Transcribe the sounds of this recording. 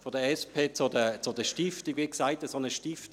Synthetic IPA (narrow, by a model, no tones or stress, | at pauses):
fɔdəɛspʰeːt͡sodət͡sodəʃtiftiɡviksaɪtəsonəʃtift